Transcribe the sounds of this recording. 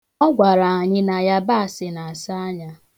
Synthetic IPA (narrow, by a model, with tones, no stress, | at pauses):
ɔ˦ɡʷa˨ɾa˨a˨ɲɪ˦na˨ja˦ba˦a˨sɪ˨na˨a˨sa˦a˦ɲa˦